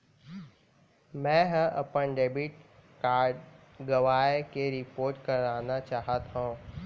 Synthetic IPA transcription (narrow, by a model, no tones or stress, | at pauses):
mɛ̃ːɦə̃ʔɐpənɖeːbiʈkaːɾɖ | ɡɐʋaːekeɾɪpoːɾʈkɐɾaːnat͡ʃaːɦət̪ɦũː